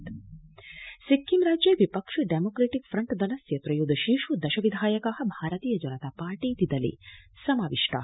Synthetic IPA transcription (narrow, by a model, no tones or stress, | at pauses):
sikːimɾaːd͡ʒjeʋipɐkʂɐɖemoːkɾeːʈikfʰɾɐɳʈd̪ɐlɐsjɐt̪ɾɐjud̪ɐʃiʃud̪ɐʃɐʋid̪ʱaːjɐkaːɦɐbʱaːɾɐt̪iːjɐd͡ʒɐnɐt̪aːpaːɾʈiːt̪id̪ɐlḭsɐmaːʋiʂʈa̰ː